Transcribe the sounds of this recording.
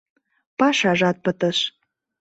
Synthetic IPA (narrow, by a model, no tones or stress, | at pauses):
pɑʃɑʒɑt̪̚pət̪əʃ